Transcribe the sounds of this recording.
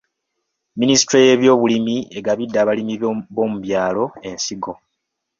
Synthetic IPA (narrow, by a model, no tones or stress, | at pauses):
minisi̥tɾeje̞βjo̞ːβulimie̞ɡaβidːaːβalimiβo̞ːmuβjaːlo̞e̞nsiɡo̞